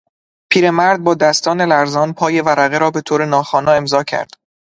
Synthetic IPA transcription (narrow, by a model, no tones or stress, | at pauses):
pʰiːɾemæɾd̪̚bɒːd̪æst̪ɒːne̞læɾzɒːnpʰɒːje̞væɾæɣeɾɒːbe̞t̪ʰoːɾe̞nɒːxɒːnɒːe̞mzɒːcʰæ̰ɾd̪̥